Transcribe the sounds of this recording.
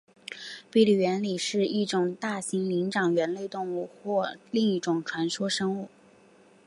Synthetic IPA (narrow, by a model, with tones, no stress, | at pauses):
pi˥˩li˨˩ɥɛ˧˥nli˨˩ʂɻ̩˥˧i˥˩ʈ͡ʂʊ˨˩ŋt̪a˥˩ɕi˧˥ŋli˧˥ŋʈ͡ʂɑ˨˩ŋɥɛ˧˥nle˥˧ɪt̪ʊ˥˧ŋu˥˧xwɔ˥˧li˥˧ŋi˥˩ʈ͡ʂʊ˨˩ŋʈ͡ʂʰwa˧˥nʂwɔ˥ʂɤ˥ŋu˥˩